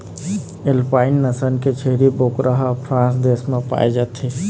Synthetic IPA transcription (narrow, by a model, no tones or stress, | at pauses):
elpaːɪnːəsənket͡ʃʰeɾibokɾəɦpʰɾãːsd̪esmẽpa̰ːjd͡ʒat̪ʰe